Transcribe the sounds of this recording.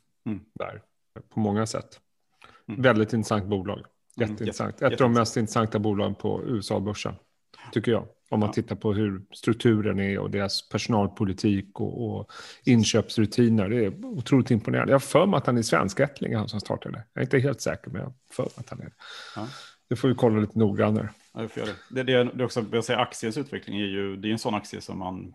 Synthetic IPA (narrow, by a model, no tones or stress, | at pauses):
d̪̥æ̰ɾ | pʰɔmɔŋːasɛ̰t̪ː | vɛld̪ɪt̪ɪnt̪ɾəsant̪̚buːlɑ̰ːɡ | jɛt̪ːəɪnəsa̰ŋt̪ɛfəɖɔmːɛst̪ɪnt̪ɾəsaŋt̪abuːlɑːɡənpʰɔ̰ʉ̟ːɛsɑ̰ːbɵʂːə̰n | t̪ʰʏkːəjɑ̰ː | ɔmːant̪ʰɪt̪ːaɾpʰɔɦɵɾst̪ɾɵk̚t̪ʰʉ̟ːɾənæɾɔ̰d̪eːɾaspʰæʂʊnɑːlpʰʊlɪt̪ʰiːkɔ̰ːɪnɕøːpsɾɵt̪ʰiːnəɖɛæɾʊt̪ʰɾuːlɪt̪ɪmpʊnḛːɾa̰nd̪jɑhfœɾmɾat̪hanæʂvɛ̰nskɛt̪ʰlɪ̰ŋɪhansɔmst̪ʰɑ̰ːʈʰad̪ɛjɑ̰ːɾɪnt̪əɦeːlt̪sɛ̰ːkəɾmɛ̰njɑ̰ | fœ̰ɾmɾa̰t̪hanæ̰ | d̪̥ɛfoːɾjɪkʰɔlːaliːt̪ənuːɡɾand̪ə̰ɾ | fø̰ːɛd̪ɛd̪ɛd̪ɛɔksɔbasɛjːaaksɪənsʉ̟ːt̪vɛklɪŋæɾjɵd̪ɛjɵɛnsɔnːaksɪə̰sɔ̰mːa̰n